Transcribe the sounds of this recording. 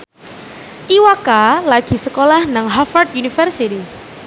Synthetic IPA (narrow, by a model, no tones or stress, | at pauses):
tiwakalaɡ̥i̤səkolahnaŋɦafard̪unifərsit̪i